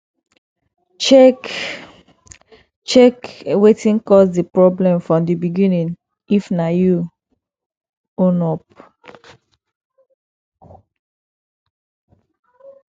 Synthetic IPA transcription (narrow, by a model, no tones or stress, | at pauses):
t͡ʃɛk | t͡ʃɛkwetĩnkɔsdipɹɔblɛ̃mfɹɔ̃mdibiɡĩnĩn | ifnaju | õnɔp̚